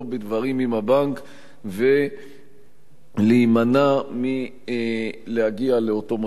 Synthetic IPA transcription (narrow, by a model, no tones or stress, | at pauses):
bedvaʁimimhabaŋk | ve | limanami | lehaɡialeotom